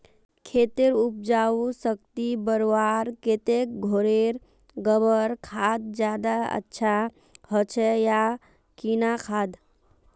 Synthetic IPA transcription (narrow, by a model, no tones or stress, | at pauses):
kʰet̪eɾup̚d͡ʒausək̚t̪ibəɾʋaɾket̪ek̚ɡʱoɾeɾ | ɡəbəɾkʰad̪̚d͡ʒjad̪aə̰tːʃʰa | ɦət͡ʃʰɛja | kinakʰaːd̪